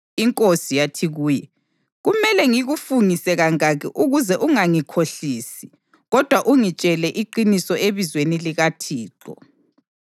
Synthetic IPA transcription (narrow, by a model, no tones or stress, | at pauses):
iŋkʼosijatʰiɣuːjɛ | ɣumɛlɛŋiɣufuŋisɛɣaŋaɣɛ̰ʔuɣuzɛʔuŋaŋikʰoɬiːsi̥ | ɣɔd̥ʱwaʔuŋit͡ʃʼɛlɛʔiǃinisɔeβizweniliɣatʰiːǁɔ̰